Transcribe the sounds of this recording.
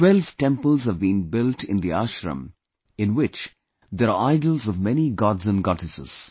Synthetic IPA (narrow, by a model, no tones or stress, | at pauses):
twɛlvʈɛ̃mpəlˠzhəvbĩːnbɪlʈʰɪ̃nd̪iaʃɾə̰̃m | ɪ̃nwɪt͡ʃ | d̪eɾaaɪɖəl̩ˠzɔvmɛniɡɑdzə̃nɡɑʈɨsɪ̰z̥